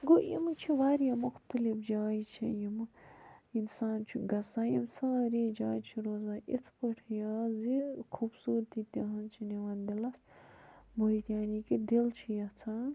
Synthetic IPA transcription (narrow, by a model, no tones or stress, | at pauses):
ɡoʔḭmt͡ʃʰiʋaːɾjamʊxt̪əlifd͡ʒaːjt͡ʃʰḭjim | insaːnt͡ʃʰiɡɐsaːjimsãːɾid͡ʒaːjt͡ʃʰiɾoːzãːʔit̪ʰpɐʈʰjaːzikʰubsuːɾt̪it̪iɦɐnt͡ʃʰiniʋɐnd̪ilɐs | boit̪jaːniːkid̪ilt͡ʃʰijɐt͡sʰaːn